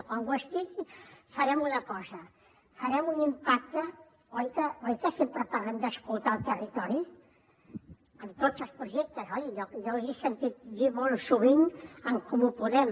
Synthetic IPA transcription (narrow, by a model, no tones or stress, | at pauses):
kwaŋɡwəsp̪ikifɐɾɛmunɐkɔzɐ | fɐɾɛmunimpak̚t̪ə | ojkəojkəsempɾəpaɾlɛnd̪əskulˠt̪alˠt̪ərit̪ɔɾi | ənt̪ozəspɾuʒɛk̚t̪əzɔʎiʎɔkʎɔkʒisənt̪it̪̚ðimolsuβiɲəŋkumupuðɛm